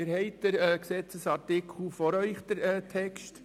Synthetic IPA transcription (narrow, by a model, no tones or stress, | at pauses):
ɪɾhɛɪtd̥̪əɾksɛt͡səsɑɾtɪkʰl̩fɔɾœʏχd̥̪əːtʰɛkʃt